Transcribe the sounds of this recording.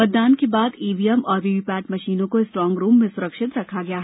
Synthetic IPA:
ɐt̪̚d̪aːnkebaːd̪iːʋiːɛmɔːɾʋiʋipɛːʈ̚mɐʃiːnõkoɪsʈɾɔ̃ːŋɡɾuːmːẽsʊɾəkʃɪt̪ɾɐkʰaɡɐjaɦɛ

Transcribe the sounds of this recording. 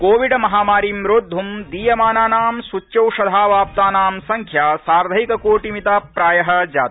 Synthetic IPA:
koːʋiɖɐmɐɦaːmaːɾiːmɾoːd̪ʱːumd̪iːjɐmaːnaːnaːmsut͡ʃːt͡ʃɐwʃɐd̪ʱaːʋaːp̚t̪aːnaːmsɐŋkʰjaːsaːɾd̪ʱɐjikɐkoːʈimit̪aːpɾaːjɐɦɐ̆d͡ʒaːt̪i̥

